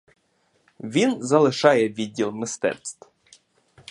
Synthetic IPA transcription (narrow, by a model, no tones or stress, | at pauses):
ʋʲinzɐlˠɪʃɑjɛʋʲid̚ʲːilˠmɪst̪ɛ̰tst̪